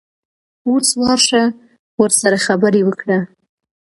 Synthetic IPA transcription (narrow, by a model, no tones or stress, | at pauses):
oswɑɾʂa | wəɾsaɾaxabəɾewəkɽa